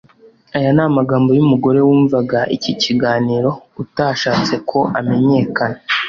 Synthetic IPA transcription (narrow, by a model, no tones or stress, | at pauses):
ajanaːmaɡaːmbo̞jumuɡo̞ɾe̞wuːɱvaɡaʔiciciɡaːniːɾo̞utaʃaːt͡se̞kʰo̞ʔame̞ɲe̞kana